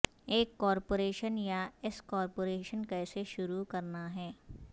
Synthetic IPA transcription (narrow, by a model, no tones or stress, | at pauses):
eːkːɔːɾpoːɾeːʃənjaɪskɔːɾpoːɾeːʃənkɛːseʃʊɾukɐɾnaɦɛː